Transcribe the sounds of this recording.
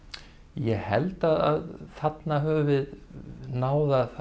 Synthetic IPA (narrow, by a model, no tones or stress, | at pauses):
jɛhɛlt̪aða̰ðθat̪naɦœːvvɪðnaːwðaθ